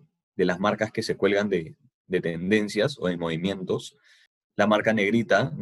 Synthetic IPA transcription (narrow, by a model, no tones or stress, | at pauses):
d̪e̞lazmaɾkaske̞se̞kwe̞lɣand̪e | d̪e̞t̪end̪e̞nsjaso̞̰ðemo̞βimjẽ̞nt̪o̞s | lamaɾkane̞ɣɾit̪a